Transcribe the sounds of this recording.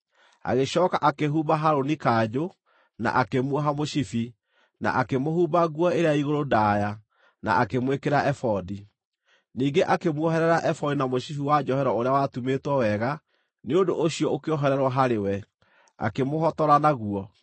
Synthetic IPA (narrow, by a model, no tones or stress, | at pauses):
a̰ɣeɕɔːkaʔakeɦuːbaɦaɾonikaːd͡ʑo | na̰ʔakemwɔɦamoɕifi | na̰ʔakemohuːbaɣuɔeɾeaiɣoɾodaːja | na̰akemwekeɾaʔɛfɔdi | niːɡeʔakemwɔɦɛɾɛɾaʔɛfɔdinamoɕifiwad͡ʒɔhɛɾɔoɾeawatumetwɔwɛɣa | neondoʔoɕijɔokeɔɦɛɾɛɾwɔɦaɾewɛ | a̰kemoɦɔtɔɾanaɣuɔ